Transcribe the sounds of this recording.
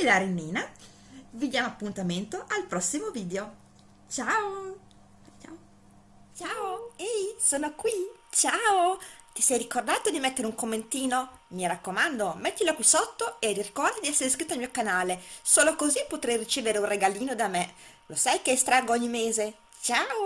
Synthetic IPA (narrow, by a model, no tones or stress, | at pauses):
elaɾinːiːna | vid̪jaːmoapːunt̪ament̪oʔalpɾɔsːimoviːd̪eo | t͡ʃao | t͡ʃaoejsoːnokwit͡ʃaot̪isɛjɾikord̪aːt̪od̪imɛt̪ːeɾeuŋkomːent̪iːno | miɾakːomand̪omɛt̪ːilokwisot̪ːoeririkɔrd̪ad̪iɛsːeɾeskɾit̪ːoalmiːokanaːlesoːlokozipːot̪ɾɛjrit͡ʃeːveɾeunreɡaliːnod̪ame | lʔosajkeɛst̪ɾaːɡoɔɲːimeːze | t͡ʃaːo